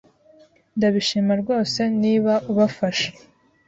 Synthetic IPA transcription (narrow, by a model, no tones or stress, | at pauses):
ndaβiʃimaɾɡo̞ːse̞niːβaʔuβafaʃe̥